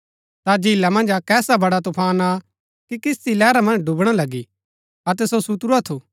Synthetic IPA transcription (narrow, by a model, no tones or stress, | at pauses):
t̪ad͡ʒilamɐ̃nd͡ʒakɛːsabɐɽat̪ʊpʰaːna | kikɪst̪ilɛːɾamɐ̃nd͡ʒɖʊbɽ̃alɐɡi | ɐt̪ɛsosʊt̪ɾuat̪ʰuː